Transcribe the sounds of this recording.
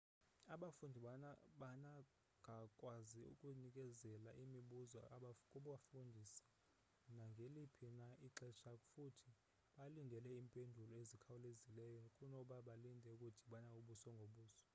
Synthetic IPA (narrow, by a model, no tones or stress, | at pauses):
aɓafundʱiɓana | ŋɡʱakʼwaziṵkʼunik̬ʼɛzɛlaʔimiɓuzɔkʼuɓafundʱisḁ | naŋɡʱelipʰinaiǁɛʃakʼufutʰi | ɓalindʱɛlɛiːmpʼendʱulɔezikʰawulezilɛjɔkʼunɔɓaɓalindʱɛukʼutʰiɓanauɓusɔŋɡʱoɓuːsɔ̥